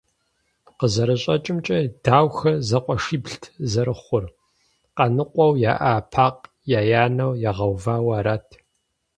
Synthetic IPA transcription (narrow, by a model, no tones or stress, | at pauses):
qəzɐɾɐɕʼɐt͡ʃʼɪmt͡ʃʼɐdaːwxɐzɐqʷʼɔʂiːbɬtʰzɐɾɨχʷʊr | qɐnɨqʷʼɔwjaːʔaːpʰaːq | jaːjaːnɐwjaːʁɐwvaːwɐːɾaːtʰ